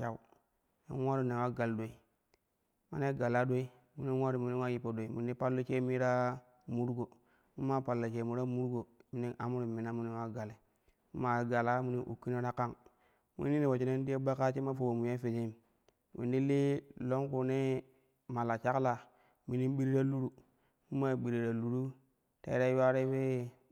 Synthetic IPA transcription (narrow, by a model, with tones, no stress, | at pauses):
a˨u˦˨ | nḛ˦wa˦ɾu˦ne˨wa˦ɡa˨ldo˨i˨ | ma̰˨ne˦ɡa˨la˦do˦i˦ | mu˦ni˦nwa˦ɾu˨mi˨ni˦wa˦ji˨po˨do˨i˨mu˨ni˦pa˦lːo˦t͡ʃe˦mi˦ɾa˦ | mu˦ɾɡo˨ | mu˦ma˦pa˨lːo˨t͡ʃe˨mu˨ɾa˦mu˦ɾɡo˨mi˨ni˦na˨mu˦ɾu˨mi˨na˦mu˦ni˦wa˦ɡa˨le˨ | mṵ˦ma˨ɡa˨la˦mu˦ni˦ʔṵ˨kːi˦na˦ɾa˦ka˦ŋ | mṵ˦nːi˦ni˨wo˨t͡ʃi˨ne˦n˦di˦e˦ba˦ka˦t͡ʃi˦ma˦fo˨wo˨mu˨ja˦fi˨d͡ʒi˦m | mḭ˨ndi˦li˦lo˦ŋku˨ne˦ | ma˨la˨t͡ʃa˦kla˨ | mi˨ni˦n˦ɓi˦ɾi˦ɾa˦lu˦ɾu˨ | mu˦ma˦˨bi˨ɾi˨ɾa˨lu˨ɾu˦ | ta̰˨i˦ɾa˦wa˦ɾe˦we˦